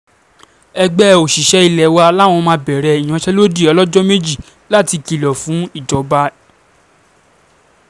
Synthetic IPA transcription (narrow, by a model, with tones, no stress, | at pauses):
ɛ˧ɡ͡bɛ˦o˨ʃi˨ʃɛ˦i˧˨lɛ˨wa˧la˦˨w̃ɔ̃˧mãː˧˦bɛ˨ɾɛ˨i˨j̃ã˨˦ʃɛ˦lo˦di˦˨ɔ˧lɔ˦d͡ʒɔ˦me˦d͡ʒi˦˨ | la˦˨ti˧ki˨lɔ˨fũ˨˦i˦˨dɔ˨˦ba˦